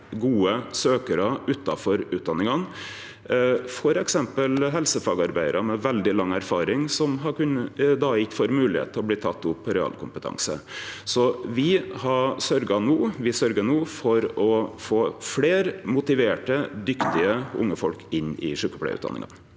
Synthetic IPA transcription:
ɡuːəsøːkəɾɑʉt̪ːɑfɔɾʉːt̪̚d̪ɑnːɪŋɑn | fɔɾɛksɛmpəlɦɛlsəfɑːɡɑɾbæɪəɾʔɑmɛʋɛld̪ɪlɑŋːæɾfɑːɾɪŋsɔmɦɑɾkʉnəd̪ɑːɪkːfɔɾmʉːlɪhḛːt̪ʰːɪɔb̪ɪt̪ʰɑt̪ːʊpːɔɾɛɑ̰ːlkʰʊmpət̪ʰɑ̰ŋsə̰sɔʋɪhɑsœɾɡɑnuːʋɪsœɾɡənuːfɔɾɔfoːfleːɾmʊt̪ɪʋeːʈəd̪ʏkt̪ɪəʊ̰ŋːəfɔlkɪnːɪ̰ʂʉːkəpʰɽæ̰ɪʉ̰t̪d̪ɑ̰nɪ̰ŋɑ̰n

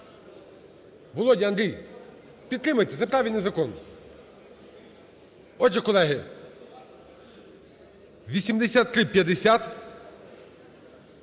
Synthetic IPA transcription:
ʋɔlˠɔdʲiɐnd̪ɾʲij | pʲid̪ɾɪmɐjt̪ɛt̪sɛpɾavʲilʲnɪzɐkɔn | ɔd͡ʒɛkɔlˠɛɦɪ | ʋʲisʲimd̪ɛsʲat̪ːɾɪpʲjɐd̪ɪsʲat̪

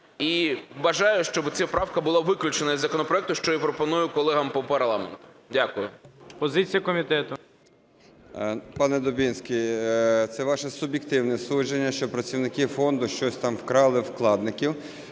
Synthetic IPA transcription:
iʋɐʒɑjʊʃt͡ʃɔbɪt͡sʲapɾɑwkɐbʊlˠɑʋɪklʲʊt͡ʃenɐizzɐkɔnɔpɾɔɛk̚t̪ʊʃt͡ʃɔipɾɔpɔnujʊkɔlˠɛɦɐmpɔpɐrlˠɑmḛnt̪ʊ̥ | dʲakʊjʊpɔzɪt͡sʲijɐkɔmʲit̪ɛt̪ʊ | pɑnɛd̪ɔbʲinsʲkʲijt̪sɛʋɑʃɛsʊbʲjekt̪ɪwnɛsuʒd͡ʒenʲːɐʃt͡ʃɔpɾɐt͡sʲiwnɪkɪfɔnd̪ʊʃt͡ʃɔsʲt̪ɑmwkɾɑlˠɪwklˠɑd̪̚nɪkʲiw

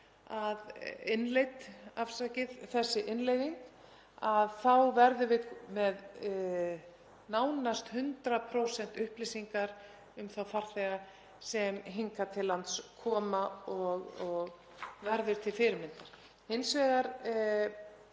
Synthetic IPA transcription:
aðɪnlejt̪afsacɪðθɛsːɪʔɪnlejðiŋk | aðθawvɛɾðʏvɪðmɛð | naːwnast̪hʏnt̪ɾapʰɾowsɛn̥t̪ʏhplesiŋkaɾ | ʏmθawfaɾ̥θɛːɣa | sɛmɦiŋkat̪ʰɪlːant̪skʰɔːmaɔɣɔɣ | vɛɾðʏɾ̥t̪ʰɪlfɪɾɪɾmɪnt̪aɾ̥ | hɪnsvɛːɣaɾ

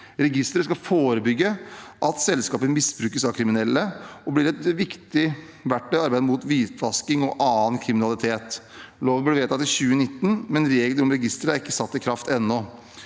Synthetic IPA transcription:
ɾɛɡɪst̪əɾəskɑfoːɾəbʏɡːəʔɑt̪sɛlskɑːpəmɪsbɾʉːkəsɑʋkʰɾɪmɪnɛlːəɔblɪɾɛt̪ʋɪkt̪ɪ | ʋæʈːɛɑɾbæɪd̪əmuːt̪ʋiːt̪ʋɑskɪŋɔʔɑːənkʰɾɪmɪnɑlɪt̪ʰeːt̪ | loːʋənblʋeːt̪ʰɑt̪ːɪçʉːənɪt̪ːn̩mɛnɾeːɡələɾɔmɾɛɡɪst̪əɾəæɾɪkːəsɑt̪ːɪkʰɾɑft̪ɛnːɔ

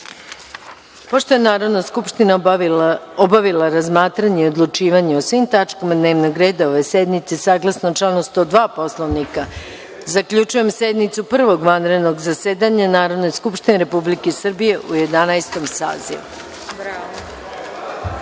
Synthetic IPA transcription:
po̞ʃt̪o̞enaːɾo̞d̪naskupʃt̪ina | obaʋilˠaɾazmaːt̪ɾaɲeio̞d̪lˠut͡ʃiːʋaɲeosʋimt̪at͡ʃkomad̪ne̞ːʋnoɡɾeːd̪ao̞ʋe̞sed̪nit̪se̞saːɡlˠasnot͡ʃlanost̪od̪ʋaːpo̞slˠoʋnika | zakʎut͡ʃuje̞msed̪nit̪supr̩ʋo̞ɡʋanɾe̞d̪no̞ɡzaseːd̪aɲanaːɾo̞d̪nojskupʃt̪ineɾepublikesr̩bije̞ʔuje̞d̪anaest̪o̞msa̰ːzḭʋṵ

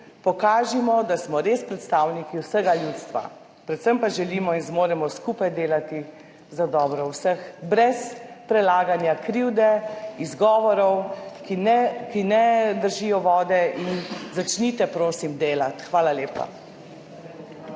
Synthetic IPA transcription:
pɔkaːʒimɔd̪asmɔɾeːspɾɛt̪st̪aːwnikiwsəɡaljuːt̪st̪ʋa̰ | pɾɛt̪səmpaʒɛliːmɔinzmoːɾɛmɔskupajd̪eːlat̪i | zad̪ɔːbɾɔwsəxbɾɛspɾɛlaːɡanjakɾiwd̪ɛizɡɔːʋɔɾɔwkɛkinɛd̪əɾʒijɔʋɔːd̪ɛʔinzat͡ʃnit̪ɛpɾoːsimd̪eːlat̪xʋaːlaleːpa̰

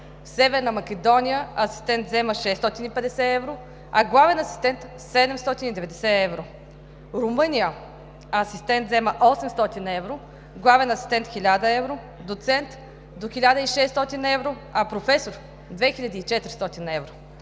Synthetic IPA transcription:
fsɛvɛɾnəmɐkʲɛd̪ɔnʲijəɐsi̥st̪ɛnt̪zɛməʃɛst̪ɔt̪inipɛd̪ɛsɛɛvɾo | ɐɡlˠavɛnɐsi̥st̪ɛnt̪ | sɛd̪ɛmst̪ɔt̪inid̪ɛvɛd̪ɛsɛɛvɾo | ɾʊmɤnʲijə | ɐsist̪ɛnt̪zɛməʔɔsɛmst̪ɔt̪inɛvɾo | ɡlˠavɛnɐsi̥st̪ɛnt̪xʲilʲad̪əɛvɾo | d̪ot̪sɛnt̪ | d̪oxilʲad̪əiʃɛst̪ɔt̪inəɛvɾo | ɐpɾofɛsoɾ | d̪vɛxilʲɐd̪iːt͡ʃɛt̪ɾist̪ɔt̪inɐɛvɾo

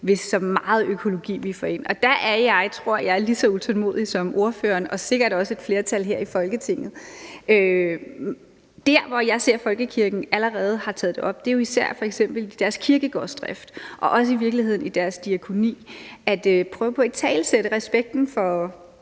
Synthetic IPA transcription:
ʋe̝sɒ̽mːɑ̈ːð̞̩ˠøkʰo̝lo̝ɡ̥ḭːʋifɒe̝n̰ɒ̽d̥æʔæɐjɑ̈ɪt͡sʰʁo̝ɐ̰jɑ̈ɪɐlisɒ̽ut͡sʰɒlmo̝̰ːð̞̰ˠisɒ̽mo̝ɐføːɐnɒ̽se̝ɡ̥ɐd̥ɒ̽səe̝d̥fle̝ːɐt͡sʰæl̰ɦeɐ̰ifɒ̽lɡ̥ət͡sʰe̝ŋ̰ð̞̩ˠʔø | d̥æɐ̰ʋɒjɑ̈ɪse̝ɐ̰fɒ̽lɡ̥əkʰiɐɡ̥n̩æləʁɛːð̞̩ˠhɑ̈t͡sʰɛ̰ːð̩ˠd̥eɒ̽b̥̚d̥e̝jo̝isæɐ̰fɒ̽eɡ̥sem̰b̥l̩id̥æɐskʰiɐɡ̥əɡ̥ɒ̰sd̥ʁɛfd̥ʔɒ̽ʔɒ̽s̬əiʋiɐɡ̥lihe̝ð̰ˠn̩id̥æɐsd̥iækʰo̝nḭːʔæd̥øpʰʁœːʊpʰɒ̽t͡sʰɛ̰ːlseɾ̥əʁɛsb̥eɡ̥̚d̥n̩fɒ̽

